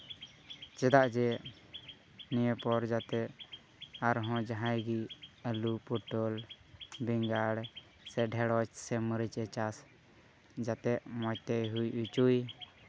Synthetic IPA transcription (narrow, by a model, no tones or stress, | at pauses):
t͡ʃɛd̪aʔd͡ʒɛ | nijəpɔɾd͡ʒat̪ɛʔ | aɾɦɔ̃d͡ʒaɦãjɡiəlupɔʈɔl | biŋɡaɽ | sɛɖʱɛɽɔt͡ʃsɛməɾit͡ʃɛt͡ʃas | d͡ʒat̪ɛʔmɔjt̪ɛjɦujʔut͡ʃuj